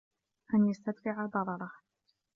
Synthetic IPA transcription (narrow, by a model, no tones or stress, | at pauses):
ʔanjast̪ad̪fɪʕad̪ˤɑɾˤɑɾˤɑh